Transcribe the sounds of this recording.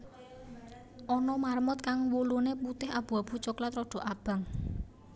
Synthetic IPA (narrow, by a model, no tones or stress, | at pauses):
ʔɔnɔmarmʊt̪̚kaŋwuluneput̪ɪɦab̥ṳab̥ṳt͡ʃɔklat̪ɾɔɖ̥ɔ̤ʔab̥a̤ŋ